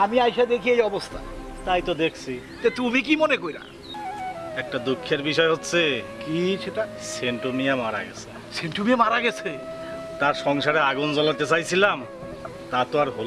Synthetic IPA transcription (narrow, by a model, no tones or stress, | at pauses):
amiajʃad̪ekʰiejɔbost̪ʰa̰t̪ajt̪od̪ekʰsʰi | t̪et̪umik̬imonekojɾa̰ | ɛk̚ʈad̪ukʰːeɾbiʃɔeɦot̪ːɕʰekiʃʰeʈaseɳʈomiamaɾaɡɛt͡ɕʰe | seɳʈumiamaɾaɡɛt͡ɕʰe | t̪aɾʃɔŋʃaɾeaɡund͡ʑɔlat̪et͡ɕajt͡ɕʰilam | t̪at̪oaɾɦol